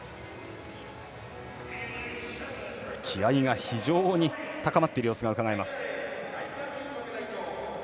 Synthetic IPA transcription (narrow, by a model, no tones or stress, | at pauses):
kʲʰiaiɡaçiʑo̞ːɲ̟it̪akamat̪ːeiɾɯ̟joːsɨɡaɯ̟kaɡaemasɨ̥